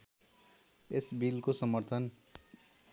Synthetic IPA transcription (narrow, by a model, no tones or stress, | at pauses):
esbilkosʌmʌɾt̪ʰʌn